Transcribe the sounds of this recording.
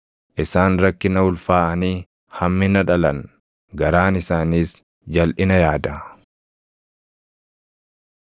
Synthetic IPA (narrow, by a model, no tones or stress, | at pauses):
ʔɪsaːnɾɐkːɪnɐʊlfaːʔɐniː | hɐmːɪnɐᶑɐlɐn | ɡɐɾaːnɪsaːniːs | d͡ʒɐlʔɪnɐjaːd̪ɐ